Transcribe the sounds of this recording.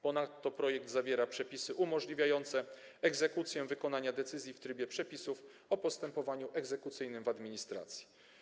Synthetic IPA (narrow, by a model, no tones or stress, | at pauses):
pɔnat̪ːɔpɾɔjɛɡ̚d̪zavʲjɛɾapʂɛpʲisɘʔumɔʐlʲivʲjajɔnt̪sɛ | ɛɡzɛkut̪sʲjɛvɘkɔnaɲad̪ɛt̪sɘzʲjift̪ɾɘbʲjɛpʂɛpʲisuf | ɔpɔst̪ɛmpɔvaɲuʔɛɡzɛkut̪sɘjnɘmvad̪mʲiɲist̪ɾa̰t̪sʲji̥